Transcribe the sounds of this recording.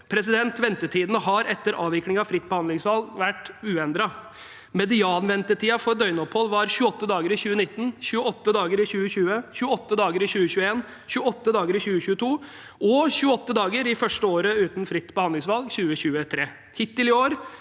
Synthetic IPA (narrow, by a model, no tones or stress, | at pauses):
pʰɾɛsɪd̪ɛnt̪ʋɛnt̪əʈʰiːd̪ənəɦɑɾɛt̪ːəɾʔɑ̰ːʋɪklɪŋɑfɾɪt̪̚ːbəhɑnd̪lɪŋsʋɑlɡʋæʈːʉːɛɪnd̪ɾɑ | mɛd̪ɪɑːnʋɛnt̪əʈʰiːɑfɔɾɖ̪œʏnɔphɔlːʋɑɾɕʉːəɔt̪ːəd̪ɑːɡəɾɪçʉːənɪt̪ːn̩ɕʉːəɔt̪ːəd̪ɑːɡəɾɪɕʉːəɕʉːəçʉːəɔt̪ːəd̪ɑːɡəɾɪɕʉːəɕʉːəeːn | çʉːəɔt̪ːəd̪ɑːɡəɾɪçʉːəɕʉːət̪ʰuː | ɔçʉːəɔt̪ːəd̪ɑːɡəɾɪfœʂʈəoːɾəʉːt̪n̩fɾɪt̪ːbəhɑnd̪ɪŋsʋɑlɡɕʉːəɕʉːət̪ʰɾeː | hɪt̪ːɪlɪoːɾ